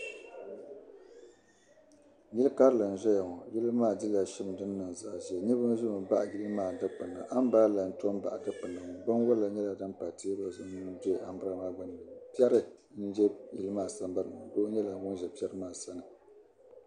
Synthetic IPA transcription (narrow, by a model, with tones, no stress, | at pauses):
ji˦lɨ˦ka˦ɾɨ˦lɨ˨n̩˨ʒɛ˦ja˨ŋɔ˨ji˦lɨ˦maː˦˨di˦la˨ʃɪ˦m˨dɨ˦nːɨ˨n˨za˨ʔʒɛ˨ɲɛ˦bʊ˦n˦zʊ˦mɨ˨ba̰˦ʔji˦lɨ˦maː˦˨dɨ˦k͡pɨ˨na̰˨ʔa˦m˦baː˦la˨n̩˨to˦m˦ba̰˨ʔa˨dɨ˦k͡pɨ˨na˨ŋɔ˨ɡ͡ba˦n˦wʊ˦la˨ɲɛ˦la˨dɨ˦mpa˨ti˦ba˦znɨ˦n˦dɛ˦ʔa˨m˦bɨ˦ɾa˦maː˦ɡ͡ba˦n˨ɨ˨pɛ˦ɾɨ˦n̩˦d͡ʒɛ˦ji˦lɨ˦maː˦˨sa˦m˦ba˦ɾɨ˨ma˨ɡo˦ɲɛ˦la˨˦ɡʊ˦ʒɛ˨pɛ˦ɾɨ˦maː˦˨sa˦nɨ˨